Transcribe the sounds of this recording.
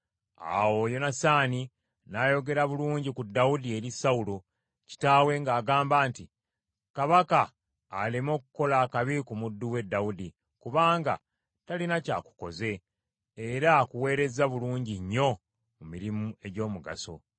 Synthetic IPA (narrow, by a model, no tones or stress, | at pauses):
a̰wo̞jo̞nasaːni | naːjo̞ɡe̞ɾaβuluːɲɟikudːaudie̞ɾisaulo | ci̥taːwe̞ŋɡaːɡaːmbaːnti | kaβakaː | limo̞ːkuko̞laːkaβikumudːuwe̞dːaudi | kuβaːŋɡa̰ | talinaca̰ːku̥ko̞̰ze̞ː | ɾakuwe̞ːɾe̞zaβuluːɲɟiɲːo̞ | mumiɾimue̞ɟo̞ːmuɡa̰so̞̰